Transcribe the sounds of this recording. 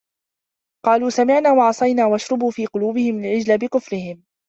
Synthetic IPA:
qɑːluːsamɪʕnaːwɑʕɑsˤɑjnaːwaʔaʃɾˤʊbuːfiːqʊluːbɪhɪmalʕɪd͡ʒlabɪkʊfɾɪhɪm

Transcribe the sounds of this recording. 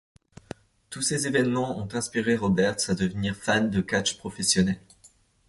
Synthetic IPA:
t̪usezevɛnmɑ̃ɔ̃t̪ɛ̃spiʁeʁɔbɛʁt̪sad̪əvniʁfand̪əkat͡ʃpχɔfɛsjɔnɛl

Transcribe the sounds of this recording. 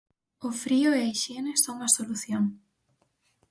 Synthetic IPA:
ʊfɾiʊeaiʃenesoŋɐsoluθjoŋ

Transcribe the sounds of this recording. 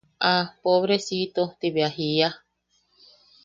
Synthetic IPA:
apoβɾesit̪ot̪iβeaɦia

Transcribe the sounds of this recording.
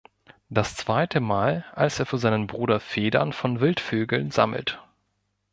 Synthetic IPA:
d̥ast͡sv̥aɪtʰəmaːlʔalsʔeːɐfyːɐzaɪnənbʁuːdɐfeːdɐ̰nfɔnvɪltføːɡl̩nza̰ml̩t

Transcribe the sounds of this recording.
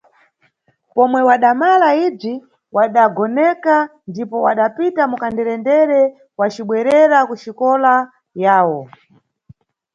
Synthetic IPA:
pɔmwɛwaɗamalaib͡ʐi | waɗaɡɔnɛkandipɔwa̰ɗapitamukandɛɾɛndɛɾɛ | wat͡ʃiɓwɛɾɛɾakuʃikɔla | jaːwɔ

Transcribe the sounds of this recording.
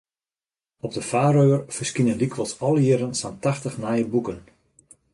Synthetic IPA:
ɔb̚dəfaːɾøːərfərskinəndikʰʋəlˠsɔlˠəjɪːɾənsantaxtəxnajəbukən

